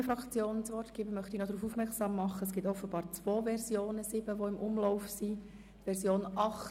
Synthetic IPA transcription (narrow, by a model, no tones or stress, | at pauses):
əfɾɑkt͡sjoːnət͡sʋɔrtɡ̥iːbəmœχt̪inɔd̪ɾuːfufmɛɾksɑːmːɑχːəəsɡ̥ɪtɔfəbɑːɾt͡sʋoːvɛɾzjoːnəsɪb̥əʋoɪmʔʊmlɔʊfsi | t̪ʋɛɾsjoːnɑχ